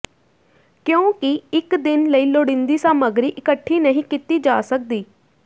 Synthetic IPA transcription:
kjõːkɪɪkd̪ɪnləiːloːɽɪ̃nd̪iːsaːməɡɾiːʔɪkəʈʰːiːnəɦĩːkɪt̪iːd͡ʒaːsək̚d̪iː

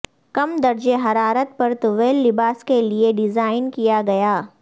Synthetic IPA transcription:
kɐmd̪ɐɾd͡ʒeɦɐɾaːɾət̪̚pɐɾt̪ʊʋeːlːɪbaːskelieɖɪzaːɪnkijaɡɐjaː

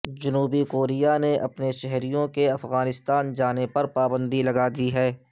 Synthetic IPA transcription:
d͡ʒɐnuːbikoːɾijaneʔɐ̰pneʃɛɦɾijõkeɐfɣaːnɪst̪aːnd͡ʒaːnepɐɾpaːbə̃nd̪ilɐɡaːd̪iɦɛː

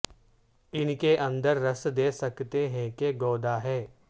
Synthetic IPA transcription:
ɪnkeʔɐ̃nd̪əɾːɐsd̪eːsɐkt̪eɦɛ̃keɡɔːd̪aɦɛː

